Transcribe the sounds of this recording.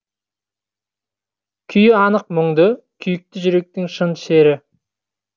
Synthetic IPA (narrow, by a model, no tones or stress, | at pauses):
kʲʰʏjɪɑnəq̚mʊŋd̪ə | kʲʰʏjɪk̚t̪ɪʒʏɾe̞k̚t̪ɪŋʃənʃe̞ɾɪ